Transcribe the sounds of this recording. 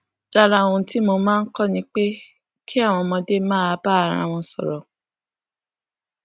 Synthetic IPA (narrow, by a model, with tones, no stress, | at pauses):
la˦ɾã˧ũ˧ti˦mo˧mãː˦˧n̩˦kɔ˦˨nĩ˧˦k͡pe˦ | kʰi˦a˦˨w̃ɔ̃˧mɔ̃˧de˦mãː˦a˧˦ba˦˨ɾ̃ã̰˦˨w̃ɔ̃˧sɔ˨ɾɔ˨